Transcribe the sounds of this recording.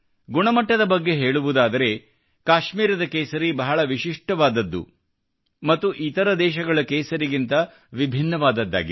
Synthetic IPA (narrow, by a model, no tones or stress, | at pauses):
ɡuɳɐmɐʈːɐd̪ɐbɐɡːe̞ɦe̞ːɭuʋud̪aːd̪ɐɾe̞ | kaːʃmiːɾɐd̪ɐkeːsɐɾibɐɦɐɭɐʋiʃiʂʈɐʋaːd̪ɐd̪ːṵ | mɐt̪ːuʔit̪ɐɾɐd̪ɛːʃɐɡɐɭɐkɛːsɐɾiɡint̪ɐ | ʋibʱinːɐʋaːd̪ɐd̪ːa̰ːɡḭ